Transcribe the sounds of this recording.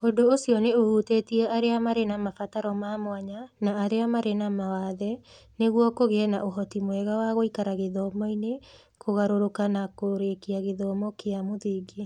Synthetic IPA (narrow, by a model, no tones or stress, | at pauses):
ondoosiɔneohuteːtiɛʔaɾeamaɾenamafataɾɔmamowaɲanaːɾeamaɾenamawaðɛ | neɣwɔkoɣenaʔoɦɔtimwɛɣawaɣoikaɾaɣeðɔmɔine | kʰoɣaɾoɾokanakoɾekiaɣeðɔmɔkeamoðiɡe